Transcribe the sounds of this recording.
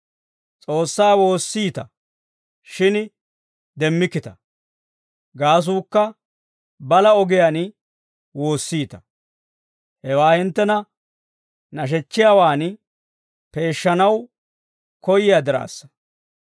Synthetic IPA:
t͡sʼo̞ːsːaːwo̞ːsːiːt̪ɐ | ʃɪn | d̪ɛmːɪkːɪt̪ɐ̥ | ɡaːs̬uːkːɐ | bɐlɐɔɡɪjaːn | wo̞ːsːiːt̪ɐ̥ | hɛwaːhɪnt̪ːɛnɐ | nɐʃ̬ɛt͡ʃːɪjaːwaːn | pe̞ːʃːɐnɐw | kɔjɪjaːd̪ɪɾa̰ːsːɐ̥

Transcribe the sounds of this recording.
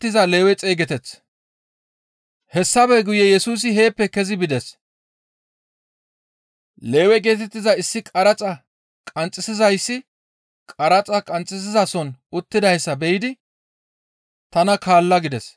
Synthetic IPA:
t̪ːɪzɐleːwɛt͡sʼe̞ːɡɛt̪ɛt͡sː | hɛsːɐbɛɡʊjɛjɛsuːs̬ɪɦe̞ːpːɛkɛzɪbɪd̪ɛs | le̞ːwɛɡe̞ːt̪ɛt̪ːɪzɐɪsːɪkʼɐɾɐt͡sʼɐ | kʼɐnt͡sʼːɪsɪzɐjsːɪ | kʼɐɾɐt͡sʼɐkʼɐnt͡sʼːɪs̬ɪzɐsɔnʊt̪ːɪd̪ɐjsːɐbɛjɪd̪ɪ | t̪ɐnɐkaːlːɐɡɪd̪ɛs

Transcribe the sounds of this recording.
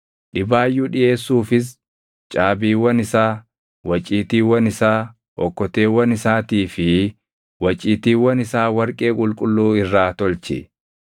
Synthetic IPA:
ᶑɪbaːjːuːᶑɪe̞ːsːuːfɪs̬ | t͡ʃʼaːbiːwɐnɪsaː | wɐt͡ʃʼːiːt̪iːwɐnɪsaː | ʔɔkːɔt̪eːwɐnɪsaːt̪iːfɪ | wɐt͡ʃʼːiːt̪iːwɐnɪsaːwɐɾkʼe̞ːkʼʊlkʼʊlːuːɪrːaːt̪ɔlt͡ʃɪ̰

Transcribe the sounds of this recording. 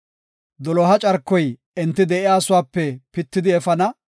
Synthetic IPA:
d̪ɔlɔɦɐt͡ʃʼɐɾkːɔj | ɛnt̪ːɪd̪ɛʔɪjaːsʊwaːpːɛpɪt̪ːɪd̪ɪɛfɐnɐ

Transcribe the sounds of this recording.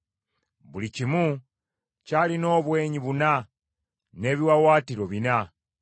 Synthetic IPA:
βulicimu | calino̞ːβwe̞ːɲiβuna | ne̞ːβiwawaːtiɾo̞βina

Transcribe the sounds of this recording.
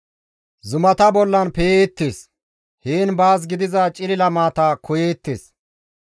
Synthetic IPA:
zʊmɐt̪ɐbɔlːɐnpejeːt̪ːeːs | heːnbaːs̬ɡɪd̪ɪzɐt͡ʃʼɪlɪlɐmaːt̪ɐkʊjeːt̪ːḛːs

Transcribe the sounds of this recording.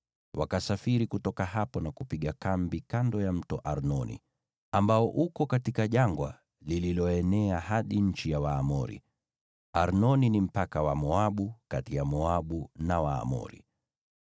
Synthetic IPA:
wakasafiɾikutɔkahapɔnakupiɠakambikandɔjam̩tɔʔaɾnɔnḭ | ambaɔʔukɔkatikaʄaŋɡwa̰ | lililɔɛnɛaɦaɗiɲ̩t͡ʃijawaːmɔɾḭ | aɾnɔninim̩pakawamɔaɓukatijamɔaɓunawa̰ːmɔ̰ɾḭ

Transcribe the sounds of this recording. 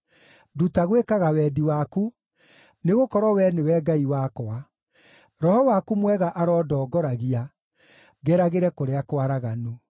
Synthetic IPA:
dutaɣwekaɣawɛːdiwaku | neɣokɔɾwɔwɛnewɛːɡaiwaːkɔa | ɾɔhɔwakumwɛɣaʔaɾɔːdɔːɡɔɾaɣia | ɡɛɾaɣeɾɛkoɾeakwaɾaɣano

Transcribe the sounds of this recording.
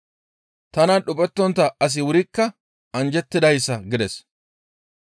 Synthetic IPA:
t̪ɐnɐɗʊpʼɛt̪ːɔnt̪ɐɐs̬ɪwʊɾɪkːɐ | ɐnd͡ʒɛt̪ːɪd̪ɐjsːɐɡɪd̪ɛs

